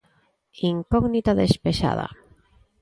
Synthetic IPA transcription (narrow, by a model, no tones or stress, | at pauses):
iŋkɔɣnit̪aðespeʃa̰ða̰